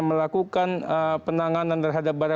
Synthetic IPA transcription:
məlakukanəpənaŋanant̪ərɦadap̚baɾa

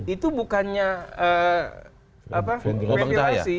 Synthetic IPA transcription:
it̪ubukanɲaə | apaɾeasi

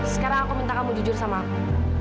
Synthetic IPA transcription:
sə̥kaɾaŋakumint̪akamud͡ʒud͡ʒʊrsamaːku

